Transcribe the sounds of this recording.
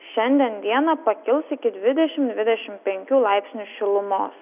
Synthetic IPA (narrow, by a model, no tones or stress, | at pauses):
ʃʲɛnʲd̪ʲɛnd̪ʲiɛnɐpɐkʲɪlˠsɪkʲɪd̪ʲʋʲɪd̪ʲɛʃʲɪmd̪ʲʋʲɪd̪ʲɛʃʲɪmpʲɛŋʲkʲuːlˠɑɪpʲsʲnʲuʃʲɪlˠʊmoːs